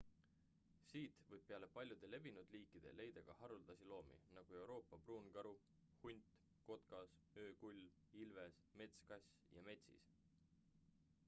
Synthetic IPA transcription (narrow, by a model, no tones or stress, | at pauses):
siːt̪vɤjb̥̚pe̞ɑle̞pɑlʲjud̪̥e̞le̞vinud̪̥liːkːˑid̪̥e̞̰le̞jd̪̥ɑɡ̥ɑhɑɾuld̪̥ɑsilo̞ːmḭnɑɡ̥ue̞wɾo̞ːpːˑɑpruːnɡ̥ɑɾu | hunʲt̪ˑ | ko̞t̪kɑs | ø̞ːkulʲː | ilve̞s | me̞t̪skɑsʲ | jɑ̰me̞t̪ʲsḭs